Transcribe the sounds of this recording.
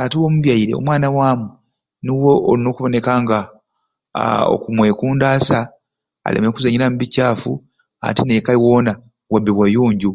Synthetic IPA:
atiwo̞ːmuβjaiɾe̞̰o̰mwaːnawaːmu | niwoʔolino̞ːkuβo̞ne̞kaːŋɡa | o̰kumwe̞ːkuːndaːsa | a̰lḛmekuzaɲiɾamuβicaːfṵ | a̰tine̞kaiwo̞ːna | wabːiβwajuːɲɟu

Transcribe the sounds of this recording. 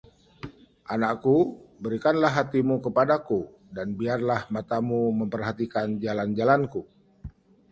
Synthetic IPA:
ʔanakkubəɾikanlaɦːat̪imukəpadaku | danbiarlahmat̪amuməmpərɦat̪ikand͡ʒaland͡ʒalanku

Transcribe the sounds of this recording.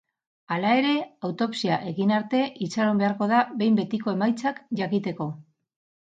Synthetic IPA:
alae̞ɾe̞awt̪o̞psiaʔe̞ɣinaɾt̪e̞ʔit͡saɾo̞mbe̞aɾko̞ð̞aβe̞jmbe̞t̪iko̞e̞majt͡sakʝakit̪e̞ko̞

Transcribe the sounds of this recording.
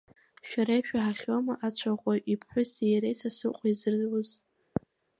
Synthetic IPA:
ʃᶣaɾajʃᶣaħaχʲwamaʔat͡ɕʷʰaqʷʼojʔipʰħʷᶣʊstʰijaɾejsasɨqʷʼizɨrzwʊz

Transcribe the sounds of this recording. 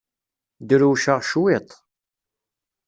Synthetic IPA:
d̪ɾuʃəʁʃwit̪ˤ

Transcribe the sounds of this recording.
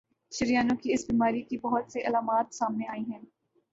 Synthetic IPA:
ʃɐɾijaːnõkiɪsbiːmaːɾikibɐɦʊt̪seʔɐlaːmaːt̪saːmneaːiɦɛ̃ː

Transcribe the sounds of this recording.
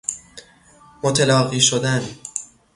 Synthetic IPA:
mot̪ʰelɒːɣiːʃod̪æn

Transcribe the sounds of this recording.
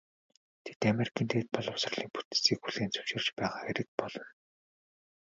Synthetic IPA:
t̪ʰe̥t̪ameɾi̥kʰʲiːnt̪ʰeːt̪̚pɔɮɞ̆wsə̆rɮiːŋput̪̆siːkxuɮeːnt͡sʰɵ̥wʃɪ̆r̥t͡ɕpæːʁaːxeɾɘ̆k̚pɔɮɞ̆n

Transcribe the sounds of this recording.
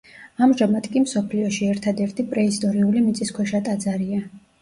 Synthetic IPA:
amʒamad̪kʼimsɔpʰliɔʃiɛɾt̪ʰad̪ɛɾt̪ʰipʼɾɛist̪ʼɔɾiulimit̪sʼiskʰwɛʃat̪ʼad̪zaɾia

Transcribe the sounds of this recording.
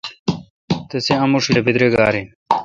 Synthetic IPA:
t̪eseɐmuʂiebid̪ɾeɡaːɾi

